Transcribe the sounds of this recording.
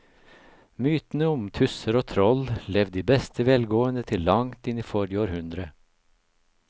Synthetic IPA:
myːt̪n̩əʊmt̪ʰʉsəɾoːt̪ʰɾɔllɛʋd̪iːbɛst̪ʰəʋɛlɡoːənət̪ʰɪlːɑŋt̪ɪniːfɔɾɪoːɾhʉnd̪ɾə

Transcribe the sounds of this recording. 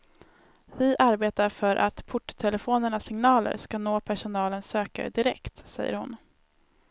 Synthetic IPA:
vɪʔaɾbeːt̪aɾfœɾʔa̰t̪pʰʊʈːt̪ʰɛlɛfoːnəɳasɪŋnɑːlə̰ɾʂkanoːpʰæʂʊnɑːlənsøːka̰ɾd̪ɪɾɛ̰kt̪sɛ̰jːə̰ɾhʊn

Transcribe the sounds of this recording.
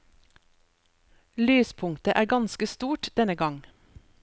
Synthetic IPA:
lyːspʰʊŋt̪əʔæːɾɡɑnskəst̪uːʈd̪̥ɛnəɡɑŋ

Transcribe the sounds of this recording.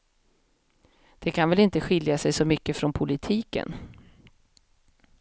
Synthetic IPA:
d̪̥ɛkʰanvɛlɪnt̪əɧɪljasɛjsɔmʏkːəfɾɔnpʰʊlɪt̪ʰiːkə̰n

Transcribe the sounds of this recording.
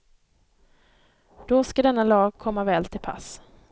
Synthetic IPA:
d̪̥ɔskad̪ɛnːalɑːɡ̚kʰɔmːavɛːlt̪ʰɪlpʰa̰s

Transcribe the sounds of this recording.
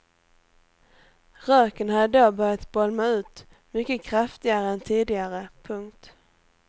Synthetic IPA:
ɾœːkənhad̪əɖoːbœɾjat̪bɔlmaʉ̟ːt̪ | mʏkːəkʰɾaft̪ɪɡaɾəɛnt̪ʰiːd̪ɪɡaɾəpʰɵŋkt̪

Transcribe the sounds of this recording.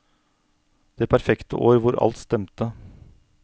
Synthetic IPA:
d̪̥eːpʰæɾfɛkt̪əʔoːɾʋʊɾɑ̰lt̪st̪ɛmt̪ə

